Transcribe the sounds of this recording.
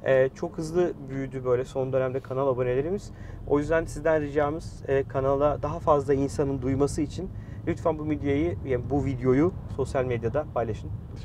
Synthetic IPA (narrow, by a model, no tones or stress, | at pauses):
ɛːt͡ʃʰo̞khɯzlˠɯbyjyd̪ybø̞jlʲɛso̞nd̪ønæmd̪ɛkʰanalˠabo̞ne̞lʲe̞ɾimiz̥ | o̞̰jyzd̪ænsizd̪ænɾɯd͡ʒaːmɯz̥ɛːkʰanalˠad̪aɦafazlˠainsanɯnd̪ujmasɯit͡ʃʰin | lʲyt̪fanbumed̪jajijabuvid̪jo̞juso̞sjalʲmed̪jad̪apʰajlˠaʃɯn